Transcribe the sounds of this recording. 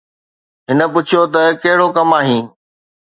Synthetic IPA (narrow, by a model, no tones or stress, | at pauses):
ɦɪnə̆pʊt͡ɕʰijot̪ɐkɐɦɪɽokɐmaːɦĩː